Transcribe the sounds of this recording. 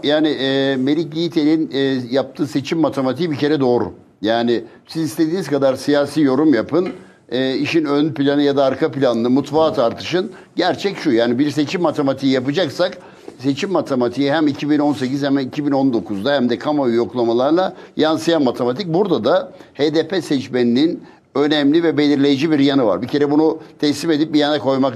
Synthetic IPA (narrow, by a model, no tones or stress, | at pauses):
jaːnɪʔme̞lʲiclʲiit̪ʰe̞lʲinːjap̚t̪ʰɯːse̞t͡ʃʰimːat̪ʰe̞mat̪ʰijbice̞ɾɛd̪o̞ːɾṵ | jaːnɪ | sizist̪ʰe̞d̪iːniz̥kad̪aɾsijaːsiːjo̞ɾumjapʰɯn | ɛːiʃinønpilʲanɯjad̪aːɾkʰapilʲanɯnɯmut̪vaːt̪ʰaɾt̪ʰɯʃɯn | ɟæɾt͡ʃʰɛcʃujaːnibiɾse̞t͡ʃʰimːat̪ʰe̞mat̪ʰijijapɯd͡ʒaksak | se̞t͡ʃʰimːat̪ʰemat̪ʰijiɦæmicʰibino̞ns̬e̞cizhæmicʰibino̞nd̪o̞kʰuzd̪ahæmd̪ɛkʰamayjo̞klˠamalˠaɾlˠajansɯjanmat̪ʰe̞mat̪ʰic̚buɾd̪ad̪aheːd̪eːpʰesɛt͡ʃmeninin | ø̞nɛmlʲivɛbe̞lʲiɾlʲe̞jid͡ʒibiɾjanɯva̰ɾbicʰe̞ɾɛbunut̪ʰɛslime̞d̪ip̚bijanɛkʰo̞jmak